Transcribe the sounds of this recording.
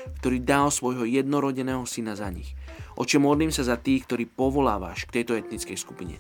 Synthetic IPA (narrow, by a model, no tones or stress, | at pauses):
kt̪ɔɾiːd̪alsʋɔjɦɔjɛd̪nɔɾɔɟɛnɛːɦɔsinazaɲḭxʔɔt͡ʃɔmɔd̪liːmsazat̪iːxkt̪ɔɾiːpɔʋɔlaːʋa̰ʃkt̪ɛjt̪ɔɛt̪nit͡skɛjsku̥piɲɛ̰